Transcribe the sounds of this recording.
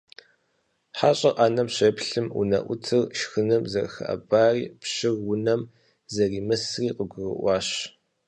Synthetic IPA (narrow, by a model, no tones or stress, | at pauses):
ħaːɕʼɐqʼaːnɐmɕeːpɬɨmṵnɐ̰ʔʷʊ̰tʰɨrʃxɨnɨmzɐrxɐ̰ʔɐ̰baːriːpɕɪrʊnɐm | zɐriːmɨsriːqəɡʷʊrɨ̰ʔʷɑːɕ